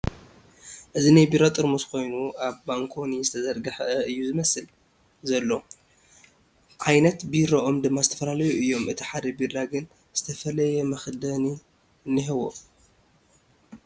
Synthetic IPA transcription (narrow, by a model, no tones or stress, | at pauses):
ʔɨzinajbiɾat̪ʼɨɾmuskʰo̞jnuʔaβbaŋkʰo̞nizɨt̪ʰɐzɐɾɡɐħʔɐɨjːuzɨmɐsɨl | zɐlːo̞ | ʔajnɐt̪biɾoʔo̞md̪ɨmːazɨt̪ʰɐ̥fɐlalɐjuʔɨjːo̞mʔɨt̪ʰiħad̪ɐbiɾaɡɨn | z̥ɨt̪ʰɐfɐlɐjɛmɐxd̪ɐni | nɨɦɨwo̰